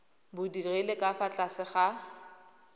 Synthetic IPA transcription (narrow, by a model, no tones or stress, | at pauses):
bʊdirelekʼafat͡ɬʼasɪχa